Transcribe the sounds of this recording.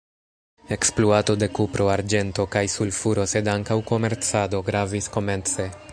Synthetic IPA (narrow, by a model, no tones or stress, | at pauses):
e̞ksploato̞de̞kupɾʔo̞aɾd͡ʒe̞nto̞kajsulfuɾo̞se̞daŋkawko̞me̞ɾt͡sado̞ɡɾavisko̞me̞nt͡se̞